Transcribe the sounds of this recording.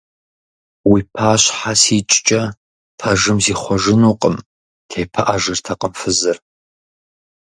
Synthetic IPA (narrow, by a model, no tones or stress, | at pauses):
wiːpʰaːɕħasiːt͡ʃʼt͡ʃʼɐ | pʰɐʒɨmziːχʷɔʒɨnuːqʼəm | tʰeːpʰɐʔaʒɨrtʰɐqʼəmfɨzɨr